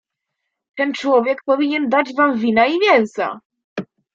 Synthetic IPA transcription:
t̪ɛnt͡ʂwɔvʲjɛk̚pɔvʲiɲɛnd̪ad͡ʑvamvʲinaivʲjɛñsa̰

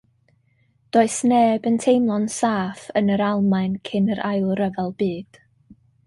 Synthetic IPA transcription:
d̥oːɨsneːbəntʰejmlˠɔnsaːfənəɾalˠmaɨnkʰɪnəɾʔajlˠrəvɛlˠb̥iːd̥

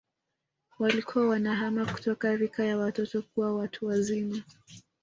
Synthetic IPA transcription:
walikʰuwawanaɦamaku̥tɔkaɾikajawatɔtɔkuwawatʰuwazima

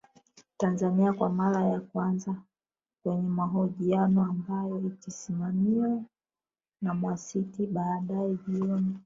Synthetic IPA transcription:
tanzaniakwamaɾajakwanza | kwɛɲɛmaɦɔʄianɔambajɔikisimamiwɛ | namwasitiɓaːɗaɛʄiɔni

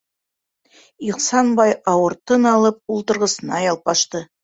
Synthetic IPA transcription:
iqsɑnbɑjɑwəɾt̪ənɑlˠəp̚ulˠt̪ə̆ɾʁəsənɑjɑlˠpɑʃt̪ə

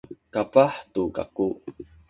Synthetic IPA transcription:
kapaħtuka̰ku

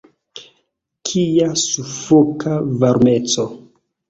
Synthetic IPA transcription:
kʰiasufokʰavaɾmet͡so

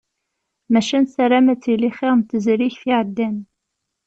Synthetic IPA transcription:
mæʃænsæɾæmæt͡sːiliχiʁmt̪əzɾiçθiʕəd̪ːæn

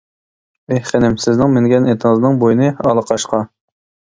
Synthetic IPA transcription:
ehχenɪmsɪznɪŋmɪŋɡʲɛnʔet̪ʰəəzɨnɨŋbojinɨɑlˠəqʰɑʃqʰɑ

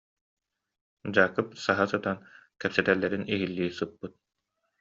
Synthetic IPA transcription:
d͡ʑaːkɯp̚saɦasɯt̪ankɛpsɛt̪ɛlːɛɾiniɦilːiːsɯpːɯt̪̚

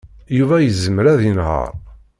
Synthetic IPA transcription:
juvæjəzəməɾæðinhə̰ɾˤ

